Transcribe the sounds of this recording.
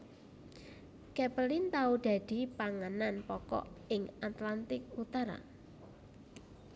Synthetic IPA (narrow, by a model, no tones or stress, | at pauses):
kɛpəlɪnt̪aud̪̥a̤d̪̥i̤paŋananpɔkɔ̰ɪŋat̪lant̪ɪk̚ut̪aɾa̰